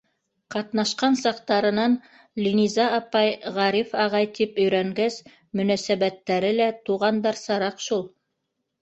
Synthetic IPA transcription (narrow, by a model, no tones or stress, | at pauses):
qɑt̪nɑʃqɑnsɑqt̪ɑɾɤ̆nɑn | lʲinʲizɑːpɑjʁɑɾifɑʁɑjt̪ipɵ̆jɾæŋɡæs | mɵ̆næsæβæt̪ːæɾɘlæt̪uʁɑnd̪ɑɾsɑɾɑqʃulˠ